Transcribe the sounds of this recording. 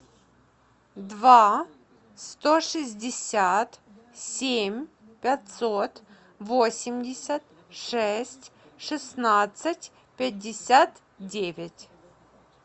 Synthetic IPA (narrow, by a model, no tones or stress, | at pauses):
d̪va | st̪oʂɨzʲdʲɪsʲat̪ | sʲemʲ | pʲat̪ʲsot̪ | vosʲɪmʲdʲɪsʲət̪ | ʂɛsʲtʲ | ʂɨsnat̪sɨtʲ | pʲɪdʲːɪsʲat̪ | dʲevʲɪtʲ